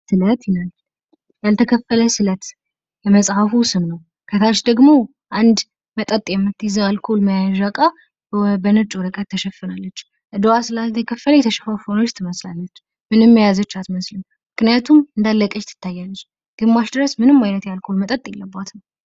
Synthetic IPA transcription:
sɨlət̪jɛnal | jalt̪ʰəkʰəfːələsɨlət̪ | jɛməsʼhafusɨmnəw | kʰət̪ʰat͡ʃd̪əɡmo̞ | ʔand̪ | mət̪ʼət̪ʼjɛmːɨt̪zalkʰolməjaʒakʼa | bənɨt͡ʃʼuɾɨkʼət̪ʰːəʃɛfːɨnalːət͡ʃː | ʔɨd̪owasɨlalt̪ʰəkʰəfːələjɛt̪ʰəʃɛfafono̞t͡ʃːt̪ʰɨməslalːət͡ʃː | mɨnɨmːəjazət͡ʃːat̪məslən | mɨknijat̪ʰumɨnd̪alːəkʼət͡ʃt̪ʰɨ̥t̪ʰːajːalːət͡ʃː | ɡ̥ɨmːaʃd̪ɨɾəsmɨnɨmːajnət̪jalkʰo̞lmət̪ʼət̪ʼjɛlːəbːat̪ʰnəw

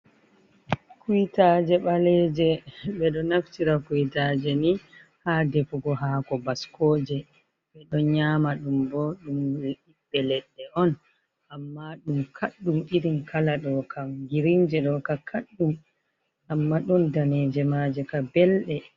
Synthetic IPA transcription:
kuitad͡ʒɛɓalɛːd͡ʒɛɓɛɗɔnaft͡ʃiɾakuitad͡ʒɛni | hadɛfuɡɔɦakɔbaskɔːd͡ʒɛ | ɓɛɗɔnɲaːmaɗumbɔɗumiɓːɛlɛɗːɛʔɔn | ʔamːaɗumkʰaɗːumɗiɗimkʰalaɗɔkʰaɡiɾind͡ʒɛɗɔkakʰaɗːum | amːaɗɔndanɛːd͡ʒɛmad͡ʒɛkabɛlɗɛ

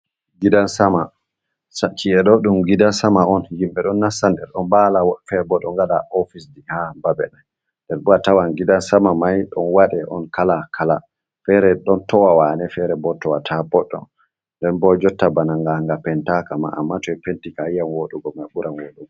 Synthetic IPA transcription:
ɡidansama | sat͡ʃʰːiɛɗɔɗumɡidansamaɔnjimɓɛɗɔnːasandɛɾɗɔnbalawɔfɛɾbɔɗɔŋɡaɗaɔfisdihababɛ̰nan | ndɛɾbuɾatawanɡidansamamajɗɔnwaɗɛʔɔ̰nkʰalakʰala | fɛɾɛɗɔntɔwawanɛfɛɾɛbɔtɔwatʰabɔɗɔ̰n | ndɛnbɔd͡ʒɔtːabanaŋɡaŋɡapɛntakama̰a̰mːatɔɛpentikaijanwoɗuɡɔmajɓuɾʔanwoɗuɡɔ

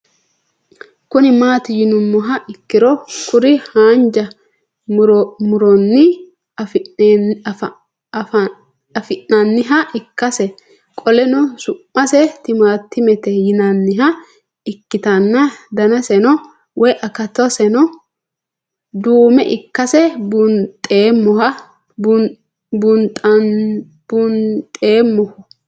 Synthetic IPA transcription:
kʊnɪmaːt̪ɪjɪnʊmːɔɦɐʔɪkːɪɾɔkʊɾɪhaːnd͡ʒɐ | mɾmʊɾɔnːɪ | ɐfɪʔːɐnːɪɦɐʔɪkːɐsɛ | kʼɔlɛnʊsʊmːɐsɛt̪ɪmaːt̪ːɪmɛt̪ɛjɪnɐnːɪɦɐ | ɪkːɪt̪ɐnːɐd̪ɐnɐsɛnɔ | wʔɔjʔɐkɐt̪ɔsɛnɔ | d̪uːmɛʔɪkːɐsɛbʊnt̪ʼːeːmːɔɐ | bʊnt̪ʼ | b̥ʊnt̪ʼeːmːɔhʊ

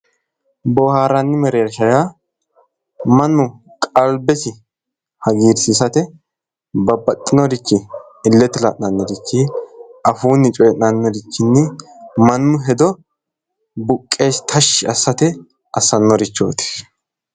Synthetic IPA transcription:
bɔhaːɾɐnːɪmɛɾeːɾʃɐja | mɐnːʊ | kʼɐlbɛsɪ | hɐɡiːɾsɪsɐt̪ɛ | bɐbɐt̪ʼːɪnɔdɪt͡ʃːɪ | ɪlːɛt̪ːɪlɐʔnɐnːɔd̪ɪt͡ʃːɪʔɐfuːnːɪt͡ʃʼɔjɛʔnɐnːɔdɪt͡ʃːɪnːɛmɐnːʊɦɛd̪ɔ | bʊkʼːe̞ːst̪ʰɐʃːɪɐsːɐt̪ɛ | ʔɐsːɐnːɔɾɪt͡ʃːo̰ːt̪ɪ̥

